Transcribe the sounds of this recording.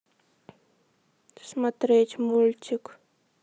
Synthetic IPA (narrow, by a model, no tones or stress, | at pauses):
smat̪ɾet͡ʃmult͡ʃik